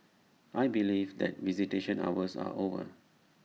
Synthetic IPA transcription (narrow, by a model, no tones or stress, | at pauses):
ʔajbilivd̪ɛ̰t̚viziteʃə̃na̰wəsa̰ʔovə̰